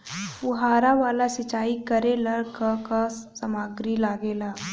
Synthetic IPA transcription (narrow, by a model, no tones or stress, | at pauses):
pʊɦaːɾaʋaːlasɪt͡ʃaːikəɾelɐɽkakasəmaːɡɾilaːɡelaː